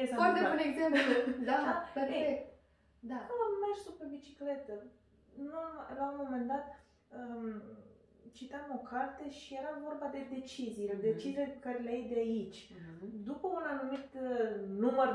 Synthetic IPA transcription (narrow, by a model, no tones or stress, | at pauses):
esfaɾt̪ebuneɡzemplud̪aapeɾeek̚t̪ | d̪akəmənumeʃt̪ʲsupɾebit͡ʃikle̞t̪ə | nuamlaumo̞me̞nd̪at̪ | ə | t͡ʃit̪amo̞kʰart̪eʃije̞ɾavo̞rbad̪e̞d̪e̞t͡ʃizijled̪e̞t͡ʃizilepekaɾeleajd̪eait͡ʃʲd̪upəunanumit̪numər